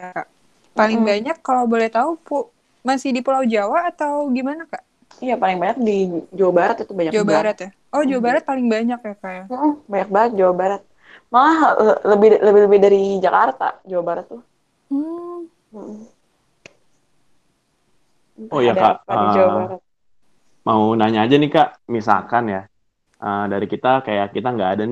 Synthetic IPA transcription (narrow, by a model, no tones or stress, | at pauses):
jakaʔ | palɪŋbaɲakːalawbolɛht̪aupu | masɪhdipulaud͡ʒawaːt̪awɡimanakaʔ | ijapalɪŋbaɲak̚did͡ʒawabaɾat̪it̪ubaɲakd͡ʒawabaɾat̪ja | ɔhd͡ʒawabaɾat̪̚palɪŋbaɲak̚jakajam̩baɲak̚baət̪̚d͡ʒawabaɾat̪̚ | maahələbɪləbɪhləbɪhdaɾid͡ʒakart̪a̰d͡ʒawabaɾat̪ːʊ | m̩ʔ̩ | jaka̰əd͡ʒawabaɾat̪̚ | maunaɲaːd͡ʒanikaʔmisa̰kanja | ʔədaɾikit̪akajakit̪aŋɡaːdani